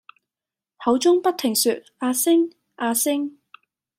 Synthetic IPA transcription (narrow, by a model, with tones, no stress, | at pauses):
hɐ˨˧˥wt͡ʃʊ˥ŋpɐ˥t̚t̪ʰɪ˨˩ŋsyː˨t̚aː˧sɪ˥ŋ | ʔaː˧sɪ˥ŋ